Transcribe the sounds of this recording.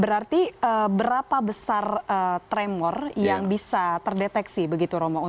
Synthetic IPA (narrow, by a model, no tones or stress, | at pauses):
bəɾart̪iəbəɾapabəsarət̪ɾɛmɔrjaŋbisat̪ərdet̪ɛksibəɡit̪uɾomau